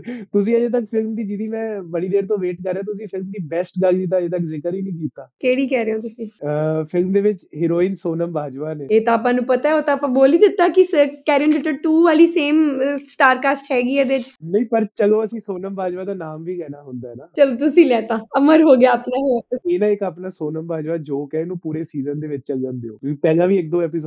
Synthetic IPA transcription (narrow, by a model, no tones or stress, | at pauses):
t̪ʊs̬ĩːəd͡ʒeːt̪̬əkpʰɪlmd̪iːd͡ʒɪd̪ĩːmɛ̃ːbəɽiːd̪eːɾt̪õːʋeːʈkəɾːeãːt̪ʊsĩːpʰɪlmd̪iːbɛːsʈɡaɡd̪iːt̪̬aːd͡ʒeːt̪̬əkzɪkəɾiːnĩːk̬iːt̪ːaːkeːɽiːkɛːɾeːoːt̪ʊsĩːpʰɪlmd̪eːʋɪt͡ʃɦɪɾoːiːnsoːnəmbʱaːd͡ʒʋaːneːeːt̪ãaːp̬ãːnũːpət̪aːɛoːt̪ãːpãːboːliːd̪ɪt̪ːaːkɪsəkɛːɾɪɳɖɪʈəɾʈuːʋaːliːseːmsʈaːɾkaːsʈɦɛːɡiːɛːd̪eʋɪt͡ʃnəĩːpəɾt͡ʃəloːəsĩːsoːnəmbʱaːd͡ʒʋaːd̪aːnaːmʋiːkɛːnaːɦʊnd̪aːɦɛnaːt͡ʃəloːt̪̬ʊsĩːlɛːt̪aːəməɾɦoːɡɪaːpnãːɦeeːnãːɪkaːpnaːsoːnəmbaːd͡ʒʋaːd͡ʒoːkɛnũːpuːɾeːsiːzənd̪eːʋɪt͡ʃt͡ʃələnd̪eoːkõkipɛːlãːʋiːɪk̚d̪oːɛːpɪso